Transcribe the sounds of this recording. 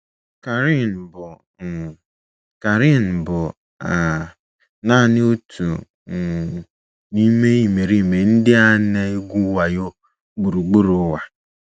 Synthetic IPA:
ka˨ɾi˦˨n̩˨bʊ˨ | ka˨ɾi˦˨n̩˨bʊ˨ | a˨ | na˦˨nɪ˦o˦tʰu˨ | ni˦me˦i˦me˨ɾi˦me˨n̩˦dɪ˦a˦ne˦e˦ɡʷu˦wa˨jo˦ | ɡ͡bu˨ɾu˨ɡ͡bu˦ɾʊ˨˦wa˨

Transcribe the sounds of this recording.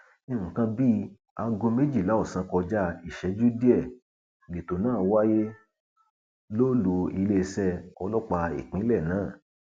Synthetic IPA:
ĩ˧˨kã˧bi˦ | a˧ɡõ˧me˦d͡ʒi˦˨la˨˦o˦˨sã˧˦kɔ˧d͡ʒa˦i˦˨ʃɛ˧˦d͡ʒu˦di˦ɛ˦˨ | le˨to˨nãː˦˨˦wa˦je˦ | lo˦lu˧i˧le˦˧sɛ˧ɔ˧lɔ˦k͡pa˧ḭ˨k͡pĩ˨˦lɛ˦˨nãː˦˨

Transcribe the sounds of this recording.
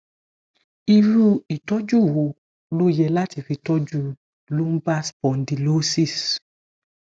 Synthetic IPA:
i˧ɾu˧i˨tɔ˦d͡ʒu˦˨wo˧ | lo˦jɛ˧la˦ti˧fi˧tɔ˦d͡ʒu˦ | lu˦m̩˦ba˦spɔ̃˨n˨di˨lo˦si˦˨s

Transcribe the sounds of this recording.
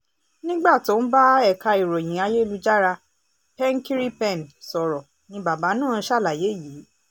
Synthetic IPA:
nĩ˦ɡ͡ba˦˨to˨˦n̩˦ba˦ɛ˦˨ka˧i˨ɾo˨j̃ĩ˨˦a˧je˦˧lu˦d͡ʒa˦ɾa˧ | pɛ̃˦ŋ˦ki˦ɾi˦pɛ̃˦˨nsɔ˨ɾɔ˨ | nĩ˧˦ba˨ba˨˦nãː˦˨˧ʃa˦˨la˨je˨˦jiː˨˦

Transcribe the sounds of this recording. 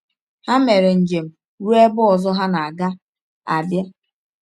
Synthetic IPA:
ha˦me˨ɾe˨n̩˨d͡ʒe˨m̩˨ | ɾu˦e˦bʊ˦ɔ˨zɔ˦ɦa˦na˨a˨ɡa˦ | a˨bja˦

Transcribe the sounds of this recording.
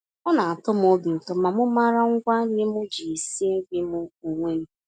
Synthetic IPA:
ɔ˦na˨a˨tʊ˦m˦ʊ˦bɪ˨tɔ˨ma˨mʊ˦ma˦ɾa˦ŋ̩˦kʷa˦ɲɪ˦mʊ˦d͡ʒi˨e˨si˦e˦ɡʷi˦mʊ˦u˨ŋʷe˦n̩˦

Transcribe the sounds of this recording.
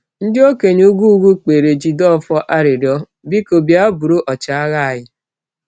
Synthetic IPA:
n̩˦dɪ˦o˦ke˨ɲ˦u˦ɡu˦ɡu˦k͡pe˨ɾe˨d͡ʒi˨dɔ˦˨fɔ˦ʔa˦ɾɪ˨ɾɔ˦ | bi˦ko˨bja˦bu˨ɾo˦ʔɔ˨t͡ʃa˨a˦ɣa˦˨jɪ˦

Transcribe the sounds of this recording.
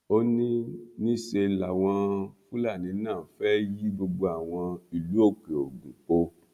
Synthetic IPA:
o˦nĩ˦nĩ˦ʃe˧la˨w̃ɔ̃˧fũ˦la˦˨nĩ˨˦nãː˦˨fɛ˦ji˦ɡ͡bo˧ɡ͡bo˧a˨w̃ɔ̃˧i˨lu˨˦o˦˨k͡pe˨o˨ɡũ˨k͡po˧

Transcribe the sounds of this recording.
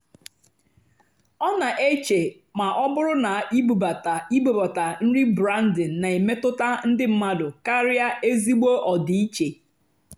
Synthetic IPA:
ɔ˦na˨ʔe˦t͡ʃe˨ | ma˨ʔɔ˦bʊ˦ɾʊ˦na˨i˦bu˨ba˨ta˨i˦bo˨ba˨ta˨n̩˦ɾi˦bɾa˦n̩˦dɪ˨n̩˨na˨e˨me˦tʊ˦ta˦n̩˦dɪ˦m̩˦ma˦dʊ˨ka˦ɾɪ˦a˦e˦zi˦ɡ͡bo˦ʔɔ˨dɪ˨i˦t͡ʃe˨

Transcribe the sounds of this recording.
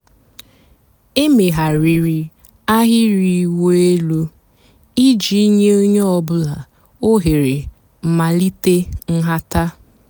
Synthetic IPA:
e˦me˨ɦa˨ɾi˨ɾi˦ | a˦ɦɪ˦ɾi˦wo˦e˦lu˦ | i˦d͡ʒi˨i˦ɲe˦o˦ɲe˦ɔ˦bʊ˦la˨ | o˦ɦe˨ɾe˨ | m̩˨ma˨li˦te˦ŋ̩˦ɦa˦ta˦

